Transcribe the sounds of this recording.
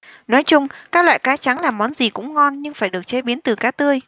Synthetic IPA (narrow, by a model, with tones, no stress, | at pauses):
nɔ˨˦jt͡ɕʊ˧ŋ͡mkaː˦˥k̚lwa̰ː˧˨jkaː˨˦t͡ɕa˨˦ŋlaː˨˩mːɔ˨˦nzi˨˩kʊ̰˧˥ŋ͡mŋɔ˧nɲɨ˧ŋfaː˧˩jɗɨ˨˩ək̚t͡ɕe˨˧˦ɓi˨˦ənt̪ɨ˨˩kaː˨˦˥t̪ɨ˧əj